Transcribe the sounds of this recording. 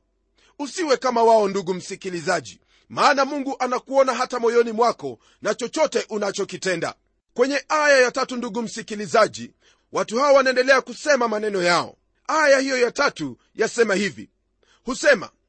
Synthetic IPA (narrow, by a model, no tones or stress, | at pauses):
usiwɛkamawaɔnduɠum̩sikilizaʄḭ | maːnamuŋɡuʔanakuɔnaɦatamɔjɔnimwakɔ | nat͡ʃɔt͡ʃɔtɛʔunat͡ʃɔkitɛnda̰ | kwɛɲɛʔajajatatunduɠum̩sikilizaʄḭ | watuhaɔwanaɛndɛlɛakusɛmamanɛnɔjaɔ̰ | ajahijɔjatatu | jasɛmahivḭ | husɛma̰